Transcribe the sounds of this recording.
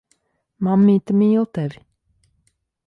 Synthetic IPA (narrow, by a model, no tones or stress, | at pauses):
mamːiːt̪əmiːlˠt̪ɛv